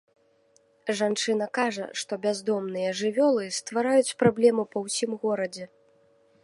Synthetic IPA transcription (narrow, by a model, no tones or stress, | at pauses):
ʐant͡ʂɨn̪ɐkaʐɐ̰ʂt̪ɔbʲazd̪ɔmnɨjɐʐɨvʲɔlˠɨst̪vaɾajut͡sʲpɾablʲɛmɨpɐwsʲimɣɔɾɐd͡zʲɛ